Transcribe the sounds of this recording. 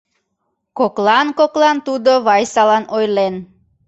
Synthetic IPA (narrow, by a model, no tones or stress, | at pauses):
koklɑnkoklɑnt̪ud̪oβɑjsɑlɑnojlen